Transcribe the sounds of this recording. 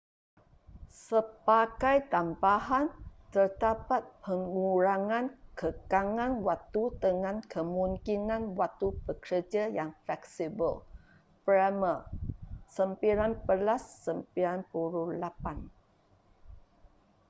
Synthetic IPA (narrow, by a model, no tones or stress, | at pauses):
səpaɡajt̪ambaɦant̪ərd̪apat̪̚pəŋuɾaŋãnkəkaŋãnwat̪ut̪əŋãnkʰəmũŋkinãnwat̪ubəkəd͡ʒajaŋflɛksibə̰l | pɾɛmə | səmpiɾanpəlasːəmpiɾanpuɾulapan